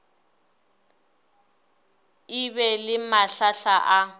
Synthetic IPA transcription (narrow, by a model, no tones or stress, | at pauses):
ɪβɛlɪmaɬaɬaʔa